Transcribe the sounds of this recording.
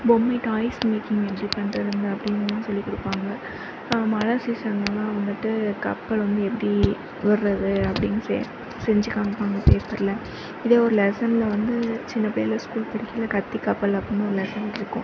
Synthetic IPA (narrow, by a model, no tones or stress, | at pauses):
bɔmːɐɪʈaːɪsmeːkɪŋɡɛpːɐɽipɐɳɐɾɯnd̪ɯɐpːɽɪnːɯnãːsɔlːikɔɽɯpːaːŋɡɐ | mɐɻɐsisaːŋɡɐnãːɐʋɐŋɡɐʈːɯkɐ̰pːɐɭʋɐnd̪ɯɛpːɐɽi | ʋɐɾɯɾɐðɯɐpːɐɽɪnɐsḛ | sɛɲd͡ʒɯkaːmɐpːaːŋɡɐpeːspɐɾlɐ | ɪðeːɔɾɯlɛsɐnlɐʋɐnd̪ɯt͡ʃɪnːɐpeːɾɪlɐskuːlpɐɽɪkːɐlɐkɐt̪ːikɐpːɐlɐpːɐɽɪnːɯɔɾɯlɛsɐnɪɾɯkːʊ̃